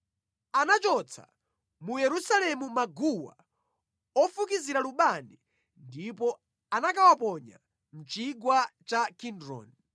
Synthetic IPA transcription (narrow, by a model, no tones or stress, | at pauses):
anat͡ʃɔt͡sʰa̰ | mujɛɾusalɛmumaɡuwa̰ | ɔfukiziɾaluɓani | ndipɔ | anakawapɔɲa̰ | m̩t͡ʃiɡwat͡ʃakʰindɾɔ̰ːni